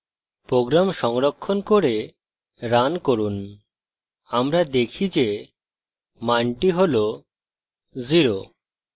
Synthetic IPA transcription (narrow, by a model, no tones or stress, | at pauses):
pɾoɡɾamʃɔŋɾokʰːonkoɾe | ɾankoɾun | amɾad̪ekʰid͡ʑe | maɳʈiɦolo | ziɾo